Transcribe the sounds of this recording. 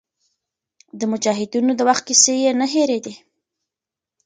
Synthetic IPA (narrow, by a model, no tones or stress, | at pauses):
d̪əmʊd͡ʒɑɦɪd̪unod̪əwaxt̪̚kisejenəɦeɾed̪e